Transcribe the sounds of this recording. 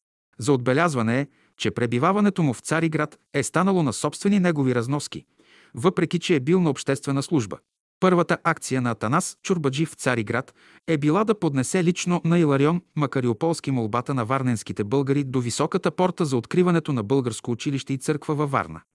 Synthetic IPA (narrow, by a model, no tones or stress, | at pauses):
zɐod̪̚bɛlʲazvɐnɛ | t͡ʃɛpɾɛbivavɐnɛt̪omʊft̪saɾiɡɾat̪ | ɛst̪anəlˠonɐsɔpst̪vɛninɛɡoviɾɐznɔsk̟ḭ | vɤpɾɛk̟ʲit͡ʃɛːbilˠnɐopʃt̪ɛst̪vɛnəslˠuʒbə̰ | pɤɾvət̪əʔakt̪sijənɐːt̪ɐnast͡ʃʊɾbɐd͡ʒift̪saɾiɡɾat̪ | ɛbilˠad̪ɐpod̪nɛsɛlit͡ʃnonɐilˠɐɾiɔnmɐkɐɾiopɔlˠsk̟imolˠbat̪ənɐvaɾnɛnskit̪ɛbɤlˠɡəɾid̪ovisɔkət̪əpɔɾt̪əzɐot̪kɾivɐnɛt̪onɐbɤlˠɡəɾskoːt͡ʃiliʃt̪ɛit̪sɤɾkvəvɐva̰ɾnə̰